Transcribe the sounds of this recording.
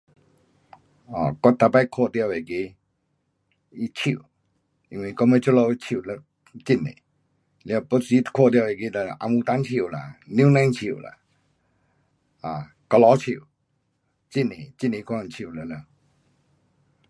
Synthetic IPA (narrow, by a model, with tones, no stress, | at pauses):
ɔ˨kɔ˦t̪a˧pa˧˨kʰo˧˨t̪ja˧˨we˨ki˧ | i˦t͡ɕʰi˧˨˩ | i˧˨ŋwi˧˨kɔ˧˦mə˧˦t͡ʃo˦lo˧˨˦t͡ɕʰi˧˨lə˧˦ | t͡ɕi˧˨nḛ̃˨ | la˧˨po˦si˦kʰo˥˧˨t̪ja˧˨e˨ki˧t̪a˧ʔa˧˨mu˧t̪a˧˦nt͡ɕʰi˧˨la̰˨ni˧˦˨nã˧˦nt͡ɕʰḭ˧˨la̰˧˨ | a˨ | kɔ˧lɔ˧˦t͡ɕʰi˧˨ | t͡ɕi˧˨ne˨t͡ɕi˧˨nẽ˨˧kʰɔ˧˨t͡ɕʰi˧˨lə˧˦lə˧˨